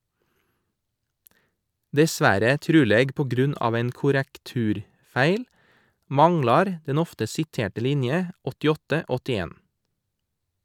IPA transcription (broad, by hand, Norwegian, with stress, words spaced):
dɛˈsʋæɾə ˈtɾʉːleːɡ pɔˈɡɾʉnɑːʋ ˈæɪn kʊɾəkˈtʉːɾˌfæɪl ˈmɑŋlɑɾ ˈdɛn ˈɔftə sɪˈteːʈə ˈlɪnjə ɔtɪˈɔtə ˈɔtɪˌeːn